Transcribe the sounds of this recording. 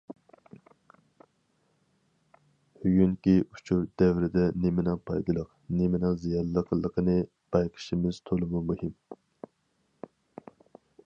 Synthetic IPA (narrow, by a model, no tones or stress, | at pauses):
hyjynkʲiu̥t͡ʃʰuɾd̪ɛwɾɪd̪ɛnemɪnɪŋpʰɑjd̪ɨlˠəq | nemɪnɪŋzijɑlːəqʰəlˠːəqʰənɨ | b̥ɑjqʰə̥ʃimɪz̥t̪ʰolˠɨmumuhim